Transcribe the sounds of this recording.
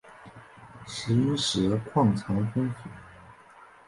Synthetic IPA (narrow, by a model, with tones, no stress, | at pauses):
ʂɻ̩˧˥i˥ʂɻ̩˧˥kʰwɑ˥˩ŋt͡sʰɑ˧˥ŋfə˥ŋfu˨˩˦